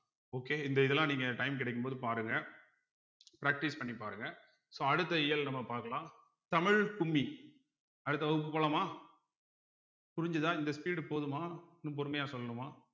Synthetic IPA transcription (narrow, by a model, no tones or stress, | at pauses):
oːkeːɪnd̪ɐɪðɛlãːniːŋɡɐʈɐɪmk̬ɪɽɛɪkːɯmpoːðɯpaːɾɯŋɡɐ | pɪɾaːk̚ʈispɐɳːipaːɾɯŋɡɐ | soːɐɽɯt̪ːɐɪjɐlnɐmːɐpaːɾkɐɭãː | t̪ɐmɪɻkʊmːi | ɐɽɯt̪ːɐʋɐɣɯp̬ːɯpoːɭɐmaː | pʊɾɪɲd͡ʒɯðãːɪnd̪ɐspiːɽpoːðɯmaːnːɯpɔɾɯmɐjaːsɔlːɐnɯmaː